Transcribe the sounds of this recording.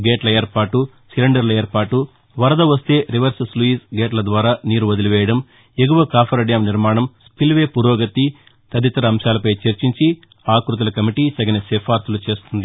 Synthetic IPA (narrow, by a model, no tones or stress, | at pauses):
ɡeːʈlɐjɐɾpaːʈu | sileɳɖɐɾlɐjɐɾpaːʈu | ʋɐɾɐd̪ɐʋɐst̪e̞ːɾiʋɐɾssluiːsɡeːʈlɐd̪ʋaːɾaːniːɾuʋɐd̪iluʋɛːjɐɽɐm | eɡuʋɐkaːpʰɐɾɐɽijaːmniɾmaːɳɐmspilʋe̞ːpuːɾoːɡɐt̪i | t̪ɐd̪it̪ɐɾɐːmʃaːlɐpɐjt͡ʃeɾt͡ʃiɲt͡ʃi | aːkɾut̪̬ɐlɐkɐmiʈiːsɐɡɐnesɛːpʰaːɾt̪ulut͡ʃe̞ːst̪und̪i